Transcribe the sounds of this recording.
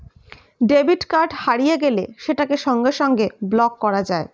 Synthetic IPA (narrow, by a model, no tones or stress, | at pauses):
ɖebiʈkaɾɖhaɾijeɡeleʃeʈakeʃɔŋɡeʃɔŋɡeblɔkːɔɾad͡ʑae